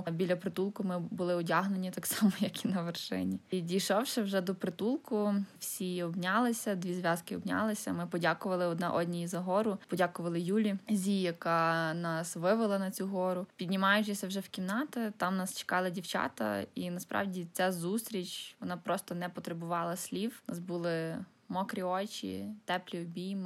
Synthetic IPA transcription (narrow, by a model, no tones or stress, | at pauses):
bʲilʲɐpɾɪt̪ulˠkʊmɪbʊlˠɪɔdʲaɦnenʲit̪ɑksɑmɔjɐki̥nɐʋerʃɪ̰nʲidʲijʃɔwʃɪwʒɛd̪ɔpɾɪt̪ulˠkʊwsʲiɔbnʲɑlˠɪsʲɐd̪ʋʲizʋʲjaskɪɔbnʲa̰lˠɪsʲɐmɪpɔdʲakʊʋɐlˠɪɔd̪nɛʔɔdʲnʲijizɐɦɔɾʊpɔdʲakʊʋɐlˠɪjulʲizʲijɐkɑnɑsʋɪʋɪlˠɐnɐt͡sʲuɦɔɾʊpʲid̪ʲnʲɪmɑjʊt͡ʃɪsʲɐwʒɛwkʲimnɑt̪ɪt̪ɑmnɑst͡ʃɪ̥kɑlˠɐdʲiwt͡ʃa̰t̪ɐ̰inɐspɾɑ̰wdʲit͡sʲazust̪ɾʲit͡ʃʋɔnɑpɾɔst̪ɔnɛpɔt̪ɾebʊʋɑlˠɐsʲlʲiwnɑ̰sbulˠɪ | mɔkɾʲiɔt͡ʃʲḭt̪ɛplʲiɔbʲijm